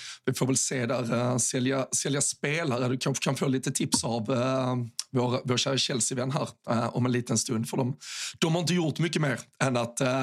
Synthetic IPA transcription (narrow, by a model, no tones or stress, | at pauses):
vɪfoːɾvɛlseːd̪æɾsɛljasɛljaspeːlaɾəd̪ɵkʰanɧə̥kʰanfoːliːt̪ət̪ʰɪpsav | voːɾvoːɾɕæːɾaɕɛlsɪvɛnːɦæːɾɔ̰mɛnliːt̪ənst̪ɵnd̪fœɖɔmd̪̥ɔmhɑɾɪnt̪̬əjʊɾt̪mʏkːəmeːɾɛnːat̪